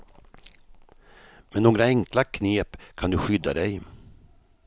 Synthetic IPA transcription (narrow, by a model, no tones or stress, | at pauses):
mɛnnoːɡɾaɛŋklakʰneːpkʰand̪ɵɧʏd̪ːa̰d̪ɛj